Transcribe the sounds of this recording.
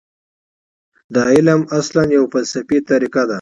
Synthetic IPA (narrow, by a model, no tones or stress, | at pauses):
d̪aɪləmaslanjawfalsafit̪aɾikad̪a